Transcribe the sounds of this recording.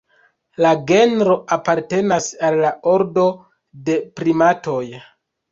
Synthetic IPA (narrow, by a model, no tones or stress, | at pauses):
laɡe̞nɾo̞apaɾte̞nasalːao̞ɾdo̞ | de̞pɾimato̞j